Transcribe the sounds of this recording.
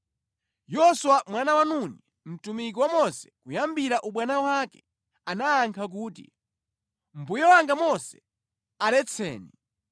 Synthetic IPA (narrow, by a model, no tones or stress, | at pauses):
jɔswamwanawanuni | m̩tumik̬iwamɔsɛ̥kujambiɾaʔuɓwanawakɛ | anaːŋkʰak̬uːtḭ | m̩bujɔwaŋɡamɔsɛ̥ | alɛt͡sʰɛ̰ːni